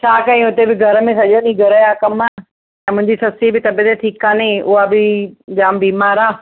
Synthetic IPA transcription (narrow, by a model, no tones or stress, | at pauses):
t͡ɕʰaːkaĩʊt̪ebɪɡʱɐɾəmẽsɐʄonĩːɡʱɐɾəjaːkɐma | ɛ̃mʊ̃ɦɪ̃ɲd͡ʑisɐsibɪt̪ɐbet̪eʈʰiːkːaːneʊɦabɪd͡ʑaːmbiːmaːɾaː